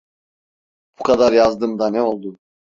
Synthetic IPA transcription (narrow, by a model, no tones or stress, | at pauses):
b̥ukʰad̪aɾjazd̪ɯmd̪anɛo̞lˠd̪u